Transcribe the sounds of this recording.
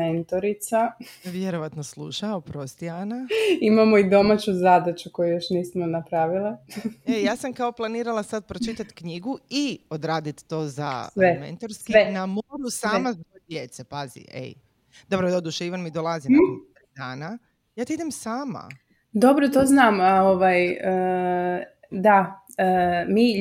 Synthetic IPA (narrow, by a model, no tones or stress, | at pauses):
ent̪oɾit̪saʋjeɾo̞ʋat̪noslˠṵʃaopɾo̞st̪ianaimamoid̪o̞mat͡ɕuzad̪at͡ɕukojujoʃniːsmonapɾaːʋilˠaejaːsamkao̞plˠaniːɾalˠasad̪̚pɾo̞t͡ʃit̪at̪kɲiɡuiod̪ɾaːd̪it̪ːo̞ːza̰sʋemḛnt̪aɾskienamoɾusaːmazojd̪jet̪sepazḭʔḛj | d̪̥obɾod̪od̪uʃeiʋanmid̪olˠazimed̪aːna | jaːt̪eid̪emsaːma̰ | d̪o̞bɾot̪oːznamaoʋajə | d̪a | mi